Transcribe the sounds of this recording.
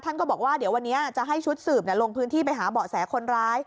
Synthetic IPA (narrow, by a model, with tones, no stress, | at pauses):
t̪ʰa˥˩nkɔː˥˩bɔː˨˩k̚waː˥˩di˩˦əwa˧nːi˦˥ɐʔt͡ɕa˨˩ʔɦa˥˩jt͡ɕʰu˦˥t̪̚sɯː˨˩p̚ni˧˩lo˧ŋpʰɯː˦˥nt̪ʰiː˥˩p̬a˧jɦaː˩˦bɔː˨˩sɛː˩˦kʰo˧nɾaː˦˥j